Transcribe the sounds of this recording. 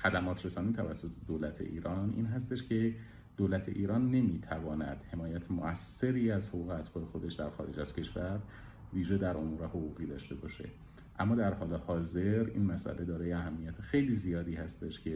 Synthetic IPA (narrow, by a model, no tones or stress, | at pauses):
xæd̪æmɒːt̪ʰɾe̞sɒːniːt̪ʰævæsːo̞t̪ʰe̥d̪oːlæt̪ʰḛʔḭːɾɒːnʔḭːnɦæst̪e̞ʃcʰe̞ | d̪̥oːlæt̪ʰeʔiːɾɒːnːe̞miːt̪ʰævɒːnæd̪̥he̞mɒːjæt̪ʰemoʔæsːe̞ɾiːæzhoɣuːɣeæt̪fɒːexo̞d̪e̞ʃd̪æɾxɒ̰ːɾe̞d͡ʒæz̥cʰe̞ʃvæɾ | viːʒe̞d̪æɾʔo̞muːɾe̞hoɣuːɣiːd̪ɒːʃt̪e̞bɒ̰ːʃe̞̰ | ʔæmːɒːd̪æɾhɒːle̞hɒːze̞ɾḭːnmæsʔæ̰lʔe̞d̪ɒːɾɒːjeæɦæmːijæt̪ʰexejliːzijɒːd̪iːhæst̪e̞ʃcʰe